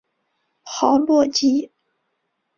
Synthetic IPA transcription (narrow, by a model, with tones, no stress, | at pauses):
xɑ˧˥ʊlwɔ˥˩t͡ɕi˥